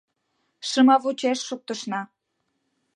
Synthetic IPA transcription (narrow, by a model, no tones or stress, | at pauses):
ʃəmɑβut͡ɕeʃːuk̚t̪əʃnɑ